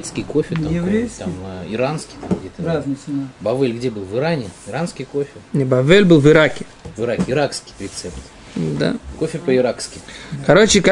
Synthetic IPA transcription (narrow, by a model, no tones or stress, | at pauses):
t̪skʲɪjkofʲɪt̪aɪvɾʲeaməɪɾanskʲɪ̥t̪amɡdʲet̪əzbɐvɛlʲɡdʲebɨlˠvɨɾanʲɪɪɾanskʲɪjkofʲɪnʲɪbɐvɛlʲbɨlˠvɨɾakʲɪ | vɨɾakʲɪɾakskʲɪ̥ɾʲɪt̪sɛpt̪ | d̪a̰ko̞fʲɪpəɪɾakskʲɪjkɐɾot͡ɕɪk